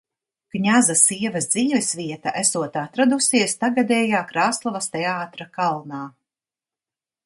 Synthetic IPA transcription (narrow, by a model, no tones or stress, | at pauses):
ɡ̥ɲazasiɛvɐsd̪ziːvɛsvʲiɛt̪aʔæsuɔt̪at̪ɾad̪usiɛst̪aɡad̪ʲɛːjaːkɾaːst̪lˠavɐst̪ɛaːt̪ɾakalˠnaː